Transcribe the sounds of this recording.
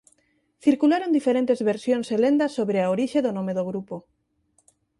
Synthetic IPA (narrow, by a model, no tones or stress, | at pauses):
θiɾkulaɾõnd̪ifeɾẽnt̪ezβeɾsjõŋselend̪ɐsoβɾeaoɾiʃeðonomeðoɣɾupo